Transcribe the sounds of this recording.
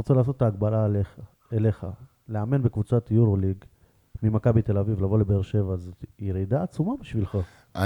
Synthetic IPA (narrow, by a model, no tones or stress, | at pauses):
ʁot͡selaːs̬o̞tːtːaːɡbala | ele̞χa̰ | leame̞nbekvut͡sat̪juʁoliɡ | mimakabit̪e̞lavivlavo̞lebeeʁʃe̞vazjeʁid̪aːt͡sumabiʃvilχa | a